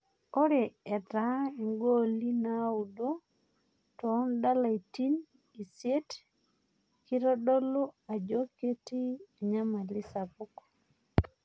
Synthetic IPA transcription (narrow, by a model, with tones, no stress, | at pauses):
o˦ɾe˨ɛ˨da˦i˨ŋɡo˦li˦na˦u˨do˦ | tɔ˨˦nda˦la˨i˨ti˦n | i˨sje˦t | ki˦ɾɔ˦dɔ˦lo˦a˨d͡ʒo˦ke˦ti˦e˨ɲa˦ma˨li˦sa˨pu˦k